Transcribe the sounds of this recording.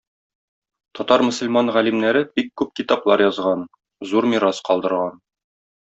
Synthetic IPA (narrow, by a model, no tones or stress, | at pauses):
t̪ɒt̪ɑɾmɵ̆sɘ̆lʲmɑnʁælimnæɾɘbikːʉp̚kit̪ɑplˠɑɾjɒzʁɑn | zuɾmʲiɾɑsqɒlˠd̪ɤ̆ɾʁɑn